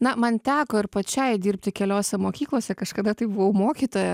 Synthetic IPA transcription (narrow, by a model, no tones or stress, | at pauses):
nɐmɐnt̪ʲæːkoːɪɾpɐt͡ʃʲɛɪd̪ʲiːrʲpʲt̪ʲɪkʲɛlʲoːsʲɛmoːkʲiːklˠoːsʲɛkɐʃkɐd̪ɐt̪ɐɪbʊʋɐʊmoːkʲiːt̪oːjɛ